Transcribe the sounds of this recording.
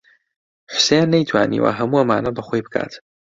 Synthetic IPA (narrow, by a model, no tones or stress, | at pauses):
ħʊ̥sejanːɐjt̪ʰwaːnḭwa̰ɦɐmuʔɐmaːnɐbɐxojbɨkʰa̰ːt̪